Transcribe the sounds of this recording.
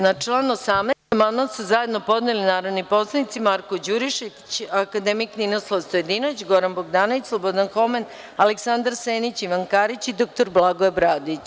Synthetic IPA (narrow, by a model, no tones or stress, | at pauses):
nat͡ʃlˠaːnosamnemad̪mant̪suzaje̞d̪no̞po̞d̪nelinaːɾod̪nipo̞slˠanit̪simaɾkod͡ʑuɾiʃi | t͡ɕakad̪emikninoslˠoʋst̪ojed̪inoʋit͡ɕɡo̞ɾanboɡd̪aːnoʋit͡ɕslˠobod̪anxo̞men | aleksand̪aɾseːnit͡ɕiʋankaːɾit͡ɕid̪ok̚t̪oɾblˠaɡoebɾaːd̪it͡ɕ